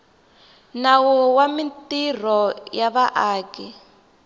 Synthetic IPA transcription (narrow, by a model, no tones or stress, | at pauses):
nawɔwamintir̤ɔjaβaʔaːkɛ